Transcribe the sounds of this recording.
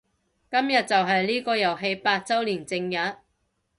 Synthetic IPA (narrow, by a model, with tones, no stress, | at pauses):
kɐ˥mjɐ˨t̚t͡sɐ˨wɦɐ˨jliː˥kɔː˧jɐ˨˩wɦe˧jpaː˧t̚t͡sɐ˥wliː˨˩nt͡sɪ˧ŋjɐ˨˥t̚